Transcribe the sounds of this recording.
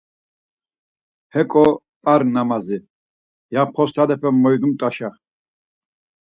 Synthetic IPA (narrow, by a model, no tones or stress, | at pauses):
hɛkʼɔ | pʼaɾnamazi | jap̚ʰχɔst̪ʰad̪ɛpʰɛmːɔjd̪umt̪ʼaʃa